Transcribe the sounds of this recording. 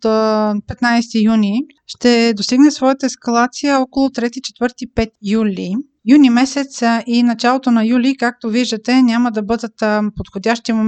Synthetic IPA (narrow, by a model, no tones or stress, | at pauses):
t̪pɛt̪najst̪ijuni | ʃt̪ɛd̪ost̪iɡnɛsvɔjət̪əɛskɐlˠat̪sijəɔkolˠot̪ɾɛt̪it͡ʃɛ̥t̪vɤɾt̪ipɛt̪julʲi | junimɛsɛt̪sʔinɐt͡ʃalˠot̪onɐjulikak̚t̪oviʒd̪ət̪ɛnʲaməd̪ɐbɤd̪ət̪pot̪xod̪ʲaʃt̪imo